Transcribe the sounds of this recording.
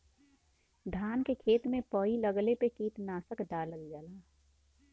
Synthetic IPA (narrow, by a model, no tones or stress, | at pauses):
d̪ʱaːnkekʰeːt̪mẽpəiləɡlepekiːt̪naːsəkɖaːləɡd͡ʒaːlaː